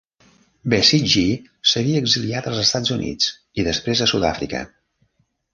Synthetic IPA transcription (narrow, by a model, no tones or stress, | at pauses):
besiʒi | səɣiəːɡziliat̪əlˠzəst̪ad͡zunʔḭt͡s | iðəspɾezəsuða̰fɾḭkə̰